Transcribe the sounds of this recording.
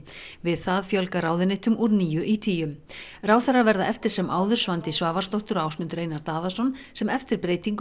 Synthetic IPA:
vɪðθaðfjœlkaɾaːwðɪnɪht̪ʏmʔɔɾniːjʏʔit̪ʰiːjʏmraːwθɛrːavɛɾðaʔɛft̪ɪɾ̥sɛmʔaːwðʏɾ̥svant̪ɪsvaːvaɾ̥st̪owht̪ʏɾaːwsmʏnt̪ɾeːjnaɾt̪aːðasɔnsɛmɛft̪ɪɾpɾeːjt̪iŋk

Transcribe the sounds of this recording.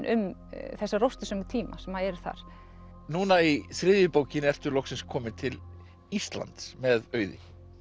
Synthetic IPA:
nʔʏ̰mθɛsːarowst̪ʏsœmʏt̪ʰiːma̰sɛmaðɛɾθa̰ɾ̥ | nuːnaisɾɪːðjɪpoːwcɪnɛr̥t̪ʏlɔxksɪnskʰɔːmɪt̪ʰɪl | ist̪la̰nt̪smɛðœːɥðɪ̰

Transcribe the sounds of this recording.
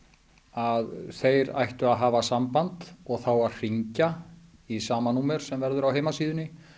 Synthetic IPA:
aðθejɾa̰jht̪ʏaðɦaːvasampant̪ɔɣθawaðr̥iɲcaisaːmanuːmɛɾ̥sɛmvɛɾðʏɾawɦeːjmasiːðʏnɪ

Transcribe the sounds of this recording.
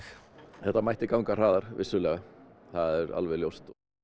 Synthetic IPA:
θɛht̪amajht̪ɪkawŋkar̥aːðaɾ̥vɪsːʏlɛːɣaθaðɛɾa̰lvɛljowst̪

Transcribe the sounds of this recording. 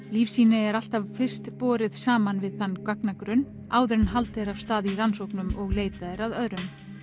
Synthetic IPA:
liːfsiːnɪɛɾal̥t̪avfɪr̥st̪pɔːɾɪðsaːmanvɪðθanːkaknakɾʏn | aːwðʏɾnɦalt̪ɛɾavst̪aːðiransowknʏmɔɣleːjt̪aðɛɾaðœðɾʏm

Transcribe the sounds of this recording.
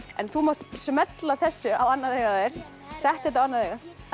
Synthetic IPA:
ɛ̰nθumawt̪smɛt̪laθɛsːʏawanːaðeːjɣaðɪɾ̥ | sɛht̪ɛt̪awanːaðeːjɣa

